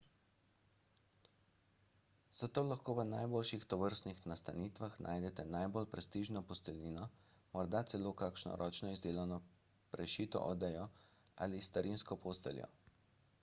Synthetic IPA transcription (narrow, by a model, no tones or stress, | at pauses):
z̥at̪oːlaxkoːʋənajboːlʃixt̪ɔʋəɾst̪nixnast̪aniːt̪ʋaxnʔa̰ːjd̪ɛt̪ɛnaːjbolpɾɛst̪iʒnɔpɔst̪ɛlniːnɔmɔɾd̪at̪sɛloːkakʃnɔ̰ɾʔɔːt͡ʃnɔizd̪eːlawnɔ | pɾɛʃiːt̪ɔ̰ʔɔd̪ɛjɔ | a̰list̪aɾʔinskɔpoːst̪ɛ̰ljɔ̰